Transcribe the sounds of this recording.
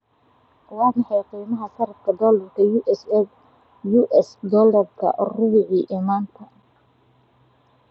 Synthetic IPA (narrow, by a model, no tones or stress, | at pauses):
wɑːmɑħɑjqiːmɐɦɐsɐɾɐbkʰɐd̪ɔːlɐrkʰɐjuːʔɛsɛ | juːʔɛsd̪ɔlɐrkʰɐ̰rʊwɪʕiːʔiːmaːnt̪ʰɐ